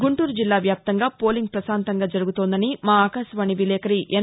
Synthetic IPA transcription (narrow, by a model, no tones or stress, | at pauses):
ɡuɳʈuːɾud͡ʒilːaːʋjaːp̚t̪ɐŋɡaːpo̞ːliŋɡ̚pɾɐsaːnt̪ɐŋɡaːd͡ʒɐɾuɡut̪oːnd̪ɐnimaːaːkaːʃɐʋaːniʋilɛːkɐɾiʔɛ